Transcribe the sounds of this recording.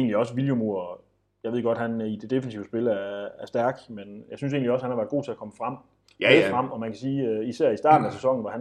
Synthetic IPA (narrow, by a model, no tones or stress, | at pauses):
eːnliɒ̽səʋiljomo̝ɐ | jɑ̈ɪʋe̝ɡ̥ɒ̽d̥hænid̥e̝d̥e̝fənsiʊəsb̥e̝læɐæɐsd̥æɐɡ̥menjɑ̈ɪsyns̬e̝ːnliɒ̽sə̥hænɑʋæɐð̥ˠɡo̰ːt͡sʰe̝ækʰɒ̽məfʁɑm̰ | ʁɑm̰ɒ̽mænkʰæsiːisæɐ̰isd̥ɑ̈ːd̥n̩æsesɒ̽ŋ̰n̩ʋɒhæn